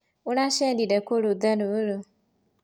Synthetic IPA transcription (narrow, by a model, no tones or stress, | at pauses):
uɾaʃedidekʷoɾod̪anuɾu